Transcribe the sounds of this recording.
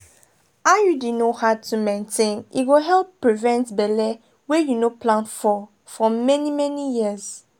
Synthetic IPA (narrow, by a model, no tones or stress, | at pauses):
ajudinohaʊtʰumẽntʰẽnḭɡoɦɛlˠpːɹivɛ̃ntbɛlɛ | wɛjunopʰlãntfɔ | fɔmɛnimɛnijiəz